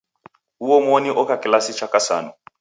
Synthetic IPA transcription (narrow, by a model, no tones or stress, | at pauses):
uwɔmɔniʔɔkakilasit͡ʃakasa̰nɔ